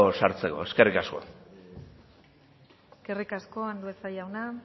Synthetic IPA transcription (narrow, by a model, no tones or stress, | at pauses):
saɾt͡se̞ko̞̰e̞ske̞rikasko̞̰ | ske̞rikasko̞and̪uesajawna